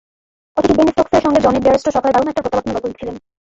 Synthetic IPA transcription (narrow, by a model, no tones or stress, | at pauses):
ot̪ikibenisokseɾʃɔŋɡed͡ʑɔnebiaɾosʈʰoʃɔkaleɾbaɾomɛk̚ʈapɾot̪ːabat̪nobakoɾit͡ɕʰilen